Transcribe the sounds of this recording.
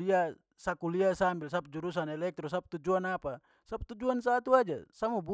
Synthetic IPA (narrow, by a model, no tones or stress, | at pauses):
lija | sakulijasambilsap̚d͡ʒuɾus̬anɛlɛk̚t̪ɾos̬ap̚t̪ud͡ʒuanapa | sap̚t̪ud͡ʒuansat̪uad͡ʒasamubu